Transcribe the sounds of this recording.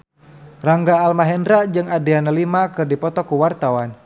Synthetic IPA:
raŋɡaːlmaɦɛndɾad͡ʒɨŋadeanəlimakɨrdipɔt̪ɔkuwart̪awan

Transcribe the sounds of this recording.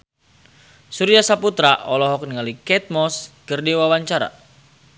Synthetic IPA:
suɾiasaput̪ɾaʔɔlɔɦɔk̚niŋalikɛt̪̚mɔskərdiwawaɲt͡ʃaɾa̰

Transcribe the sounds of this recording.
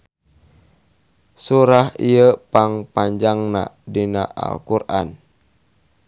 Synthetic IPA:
suɾahiəpaŋpaɲd͡ʒaŋna̰ʔdina̰ʔa̰lkurʔa̰n

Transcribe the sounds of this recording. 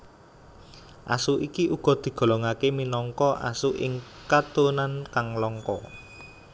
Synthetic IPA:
ʔa̰suʔikiʔuɡ̥ɔ̤d̪̥i̤ɡ̥ɔ̤lɔŋakeminɔŋkɔʔa̰suʔɪ̰ŋkat̪onankaŋlɔŋkɔ

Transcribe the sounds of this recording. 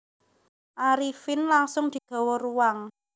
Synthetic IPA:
ʔaɾifɪnlaŋsʊŋd̪̥i̤ɡ̪̥ɔ̤wɔɾuwaŋ

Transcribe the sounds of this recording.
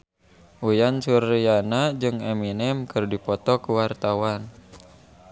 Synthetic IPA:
ʔujansurijanad͡ʒɨŋɛminɛmkɨrdipɔt̪ɔkuwart̪awan

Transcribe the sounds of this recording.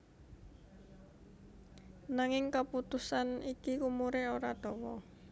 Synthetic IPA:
naŋɪŋkaput̪usanikikumuɾeoɾad̪̥ɔ̤wɔ

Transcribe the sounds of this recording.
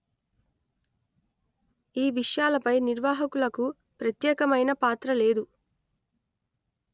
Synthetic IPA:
iːʋiʂjaːlɐpɐjniɾʋaːɦɐkulɐku | pɾɐt̪jɛːkɐmɐjnɐpaːt̪ɾɐle̞ːd̪u

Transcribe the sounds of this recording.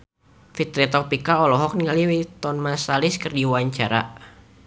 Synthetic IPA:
fit̪ɾɛt̪ɔpikaɔlɔɦɔk̚niŋaliwit̪ɔnmasalɪskərdiwaɲt͡ʃaɾa̰

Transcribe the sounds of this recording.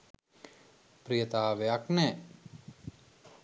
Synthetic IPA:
pɾijət̪aːʋejaknɛː

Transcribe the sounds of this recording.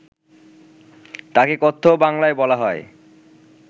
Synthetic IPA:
t̪akekot̪ʰːobaŋlaebɔlaɦɔe

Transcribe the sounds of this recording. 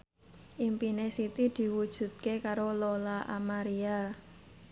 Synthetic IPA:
ʔimpinesit̪id̪̥i̤wud̥ʒ̥ṳt̪̚kekaɾololaʔa̰maɾia

